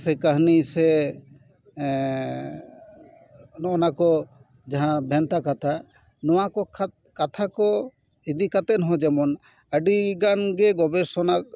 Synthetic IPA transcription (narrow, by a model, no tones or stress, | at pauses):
sɛkaɦnisɛ | nɔnakɔ | d͡ʒaɦãbʱɛnt̪akat̪ʰa | nɔwakɔkʰat̪ | kat̪ʰakɔ | id̪ikat̪ɛnɦɔ̃d͡ʒɛmɔn | əɖiɡanɡɛɡɔbɛsɔnak̚